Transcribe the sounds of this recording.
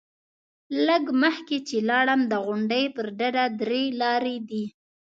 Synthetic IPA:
ləɡməxket͡ʃelɑɽəmd̪əɣʊɳɖəjpəɾɖaɾad̪ɾelɑɾed̪i

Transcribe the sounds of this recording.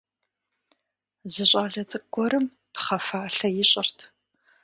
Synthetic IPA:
zɨɕʼaːɮɐt͡sʼɨɡʷɔɾɨm | pχɐfaːɬɐjɪɕʼɪrtʰ

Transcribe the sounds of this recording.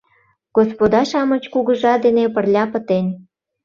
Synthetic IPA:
ɡ̥ospod̪ɑʃɑmə̆t͡ɕkuɣə̆ʒɑd̪enepə̆rlʲɑpə̆t̪enʲ

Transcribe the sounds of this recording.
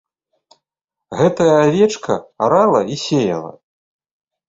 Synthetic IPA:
ɣɛt̪ɐjɐavʲɛt͡ʂkʰɐaɾalˠɐisʲejɐ̰lˠɐ̰

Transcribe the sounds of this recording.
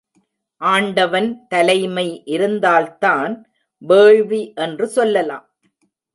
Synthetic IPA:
ʔaːɳɖɐʋɐnt̪ɐlɐɪmɐɪʔɪɾɯnd̪aːlt̪aːn | ʋeːɻʋiʔɛndrɯsɔlːɐla̰ːm

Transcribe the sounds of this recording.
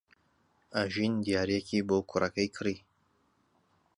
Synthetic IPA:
aʒind̪ijaːɾijɛkʰiboːkʰʊrɐkɐjkʰɨɾiː

